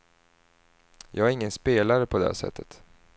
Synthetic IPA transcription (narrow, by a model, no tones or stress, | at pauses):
jʔɑ̰ːɡæɾɪŋːənspeːlaɾəpʰɔd̪ɛæ̰ʂɛ̰t̪ʰːət̪